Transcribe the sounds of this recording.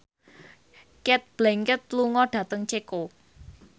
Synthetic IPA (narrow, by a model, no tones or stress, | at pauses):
kɛt̪̚b̥lɛŋkət̪̚luŋɔɖ̥ä̤t̪əŋt͡ʃeko